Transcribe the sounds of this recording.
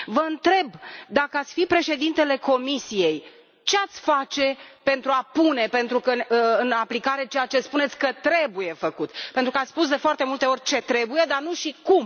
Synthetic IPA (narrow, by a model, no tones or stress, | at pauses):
vəɨnt̪ɾe̞bd̪akəat̪sʲfipɾe̞ʃe̞d̪int̪e̞le̞ko̞misije̞j | t͡ʃe̞at̪sʲfat͡ʃe̞pe̞nt̪ɾuapune̞pe̞nt̪ɾukəɨnaplikaɾe̞t͡ʃe̞jat͡ʃe̞spune̞t̪sʲkət̪ɾe̞buje̞fəkut̪pent̪ɾukəat̪sspus̬d̪e̞foart̪e̞mult̪e̞o̞rʲt͡ʃe̞t̪ɾe̞buje̞d̪arnuʃikum